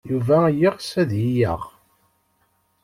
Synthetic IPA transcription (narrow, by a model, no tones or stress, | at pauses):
juvæjiʁsæðjijə̰ʁ